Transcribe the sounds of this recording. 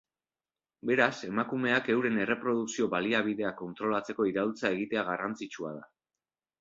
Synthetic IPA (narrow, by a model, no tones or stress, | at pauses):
be̞ɾase̞makume̞ake̞wɾe̞ne̞re̞pɾo̞ð̞uksio̞βaliaβ̞iðe̞ako̞nt̪ɾo̞lat͡se̞ko̞iɾawlt͡sae̞ɣ̞it̪e̞aɣarant͡sit͡ʃua̰ð̞a